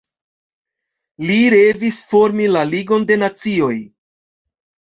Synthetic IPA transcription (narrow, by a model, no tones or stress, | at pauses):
liɾe̞visfo̞ɾmilaliɡo̞nde̞nat͡sio̞j